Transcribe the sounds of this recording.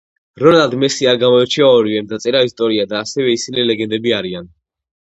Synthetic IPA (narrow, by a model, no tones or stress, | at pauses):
ɾɔnɛlad̪mɛsiaɾɡamɔɛt͡ʃʰiaɔɾivɛmd̪at̪sʼɛɾaist̪ʼɔɾiad̪aːsɛvɛisinilɛɡɛnd̪ɛbiaɾian